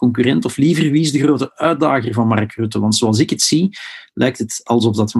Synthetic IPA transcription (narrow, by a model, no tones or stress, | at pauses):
kɔŋk̬yrɛntɔflivərʋisdəɣroːtəœːt̚daːɣərvɑnmɑ̰rkrʉtəʋɑntsoɑlˠzɪkətsilʔɛjk̚tɦətɑlˠzɔvdɑt